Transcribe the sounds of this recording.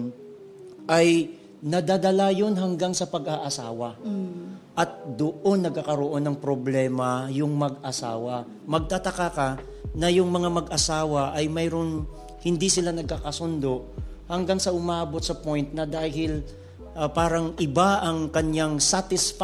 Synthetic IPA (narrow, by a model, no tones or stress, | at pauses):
n | ʔɐj | nɐd̪ad̪ɐlajo̞nɦɐŋɡaŋsɐpɐɡaʔɐsaːwɐ | ʔɐt̪̚d̪oʔonːɐɡ̚kakɐɾoʔo̞nːɐŋpɾoblɛːmɐjʊŋmɐɡʔɐsa̰ːwɐ | mɐɡ̚t̪at̪ɐkaka | nɐjʊŋmɐŋamɐɡʔɐsaːwɐʔɐjmɛjɾon | hɪnd̪isɪlanɐɡ̚kakɐsond̪o̞ʔ | hɐŋɡaŋsɐʔʊmaːbo̞t̪̚sɐpo̞jnt̪̚nɐd̪aːɦɪl | paːɾɐŋʔɪbaʔɐŋkɐɲjaŋsat̪ɪsf